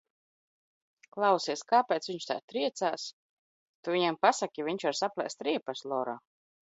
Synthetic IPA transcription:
klˠawsiɛskaːpʲɛːt̪sviɲʃt̪a̰ːt̪ɾiɛt̪saːs | t̪uviɲampasakʲiviɲt͡ʃvaɾsaplʲˠɛ̰st̪ɾiɛpaslˠɔːɾɔː

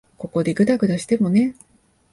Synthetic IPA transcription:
ko̞ko̞d̪e̞ɡɯ̟d̪aɡɯ̟d̪aɕi̥t̪e̞mo̞ne̞

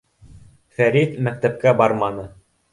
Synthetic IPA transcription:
fæɾit̪mæk̚t̪æp̚kæbɑɾmɑnɤ

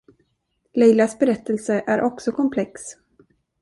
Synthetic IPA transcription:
lɛjlasbɛɾɛt̪ːəlsəʔæɾʔɔksɔkʰɔmpʰlɛks

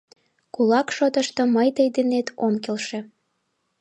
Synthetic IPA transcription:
kulɑkʃot̪əʃt̪oməjt̪əjd̪enet̪omkelʃĕ

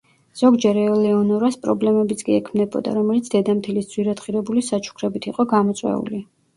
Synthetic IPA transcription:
z̥ɔɡd͡ʒɛɾɛɔlɛɔnɔɾaspʼɾɔblɛmɛbit̪sʰkʼiɛkʰmnɛbɔ̰d̪a̰ɾɔmɛlit̪sʰd̪̥ɛd̪amt̪ʰilisd̪z̥wiɾad̪χiɾɛbulisat͡ʃʰu̥kʰɾɛbit̪ʰiqʼɔɡamɔt̪sʼwɛ̰ṵli

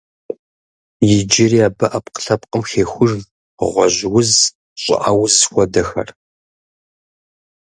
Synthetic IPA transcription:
jɪd͡ʒɪriːaːbɐʔɐpqə̥ɬɐp̚qʼəmxeːxʷʊʐ | ʁʷɔʑwʊz | ɕʼɪ̰ʔawʊzxʷɔdɐxɐ̰r

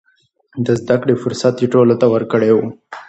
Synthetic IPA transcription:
d̪əzd̪akɽefʊɾsat̪iʈolot̪awəɾkəɽewu

